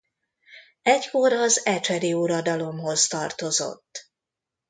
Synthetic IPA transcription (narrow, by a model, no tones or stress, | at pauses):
ɛcko̞ɾɒzɛt͡ʃɛɾiuɾɒd̪ɒlo̞mho̞zt̪ɒrt̪o̞zo̞̰t̪ː